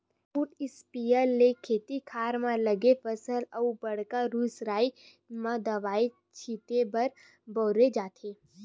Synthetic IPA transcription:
puʈɪspijəlːekʰeːt̪ikʰaːɾmãlɐɡefəsəlɐubɐɽ̤kaɾuːsɾaːi | mãd̪ɐʋaːe | t͡ʃʰiːt̪ebɐɾ | bɔːɾed͡ʒaːt̪ʰeː

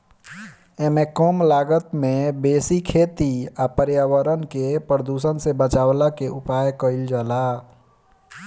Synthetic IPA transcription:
emekɔmlaːɡət̪mẽbeːsikʰeːt̪iapəɾjaːwəɾənkepɾəd̪usənsebət͡ʃaːwlakeʔupaːjkəɪld͡ʒaːla

